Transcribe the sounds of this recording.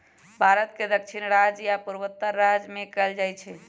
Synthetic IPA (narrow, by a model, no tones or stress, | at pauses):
bʱaɾət̪ked̪əkt͡ʃʰinɾad͡ʒjapuɾbət̪ːəɾːad͡ʒmekəld͡ʒajt͡ʃʰɛ